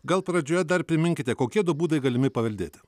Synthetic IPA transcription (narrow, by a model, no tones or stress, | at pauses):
ɡɐlˠpɾɐd͡ʒʲoːjɛd̪ɐɾpʲɾʲɪmʲɪŋʲkʲɪt̪ʲɛkoːkʲiɛd̪ʊbuːd̪ɐɪɡɐlʲɪmʲɪpɐʋʲɐlʲd̪ʲeːt̪ʲɪ̥